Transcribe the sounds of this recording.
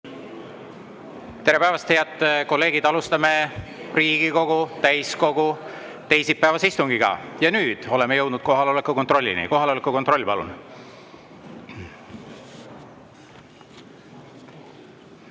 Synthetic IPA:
t̪e̞ɾepæevɑst̪heɑt̪ːko̞lːe̞ːɡ̥id̪ɑlust̪ɑme̞ | riːɡ̥iko̞ɡ̥ut̪æjsko̞ɡ̥u | t̪e̞jsipːæevɑseist̪uŋɡiɡɑ̰jɑnyːd̪̥o̞le̞mejɤ̞wd̪nud̪̥ko̞ɦɑleolekːˑuko̞nt̪ro̞lʲːḭnḭko̞ɦɑleolekːˑuko̞nt̪ro̞lʲːipɑlṵn

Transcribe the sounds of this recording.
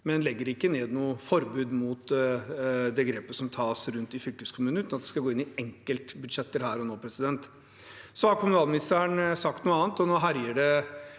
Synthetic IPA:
mɛnlɛɡːəɾɪkːəneːd̪nuːəfɔɾbʉːd̪muːt̪ | d̪ɛɡɾeːpəsɔmt̪ʰɑːsɾʉnt̪ɪfʏlkəskʰʊmʉːn̩ʉt̪ɑt̪d̪ɛ̥skɑɡoːɪnːɪɛŋkəlt̪bʉd̪ʂɛt̪ːəɾhæːɾɔnoːpʰɾɛsɪd̪ɛnt̪ | sɔhɑɾkʰʊmʉnɑːlmɪnɪst̪əəɳsɑk̚t̪nuːəɑːnt̪ɔnoːɦæɾjəɖɛ

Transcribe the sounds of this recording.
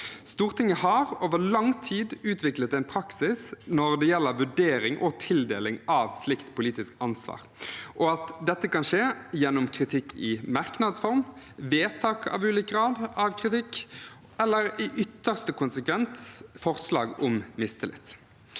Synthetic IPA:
st̪uːʁt̪ɪŋːəhɑɾoːʋəlɑŋt̪ʰiːd̪ʉːt̪ʰʋɪklət̪æɪnpʰɾɑksɪsnɔʁd̪ɛjɛlːəʋʉɖeːɾɪŋʔɔt̪ʰɪld̪eːlɪŋɑʋslɪkt̪pʰʊliːt̪ɪskɑnsʋɑ̰ːʁʔɔɑt̪d̪ɛt̪ːəkɑnʂeːjɛnːɔmkʰɾɪt̪ʰɪkʰːɪmɑʁknɑd̪sfɔʁm | ʋeːt̪ʰɑːkɑ̰ːʋʉːliːkəɡʁɑːd̪ɑʋkʰɾɪt̪ɪkː | ɛlːəɾɪʔʏt̪ːəʁst̪əkʊnsəkʰʋɛnt̪sfɔʁslɑ̰ːɡɔmmɪst̪əlɪ̰t̪

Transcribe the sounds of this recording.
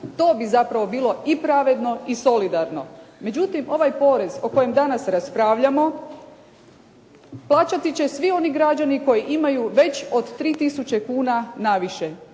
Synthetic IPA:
t̪o̞ːbizapɾaʋo̞biːlˠo̞ipɾaʋe̞d̪no̞iso̞lid̪aɾno̞me̞d͡ʑut̪imo̞ʋajpo̞ːɾe̞zo̞ko̞je̞md̪anasɾaspɾaːʋʎamo̞ | plˠaːt͡ɕat̪it͡ɕe̞sʋio̞niɡɾad͡ʑaniko̞jiʔimajuʋe̞t͡ɕod̪t̪ːɾiːt̪isut͡ɕe̞kuːnanaʋiʃe

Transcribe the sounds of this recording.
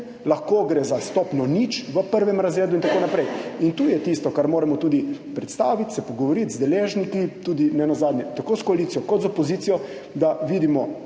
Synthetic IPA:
laxkoːɡɾezast̪ɔːpnɔnit͡ʃʋəpəɾʋɛmɾazɾeːd̪uint̪akonapɾɛjint̪uːjɛt̪ist̪ɔkaɾmoːɾɛmɔt̪uːd̪ipɾɛt̪st̪aːʋit̪sɛpɔɡɔʋɔɾit̪zd̪ɛleːʒnikit̪uːd̪inɛnazaːd̪nʲjɛt̪akoːskɔalit̪sijɔkɔt̪zɔpɔziːt̪ijɔ | d̪aʋiːd̪imɔ

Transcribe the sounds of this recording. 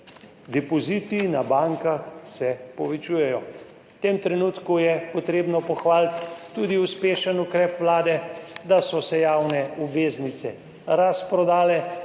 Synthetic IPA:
d̪ɛpɔzit̪inabaŋkaxsɛpɔʋɛt͡ʃuːjɛjɔ | t̪eːmt̪ɾɛnuːt̪kujɛpɔt̪ɾeːbnɔpɔxʋaːlt̪ːud̪iuspeːʃənukɾɛːpʋlaːd̪ɛd̪asɔsɛjaːwnɛubʋeːznit̪sɛ | ɾaspɾɔd̪aːlɛ

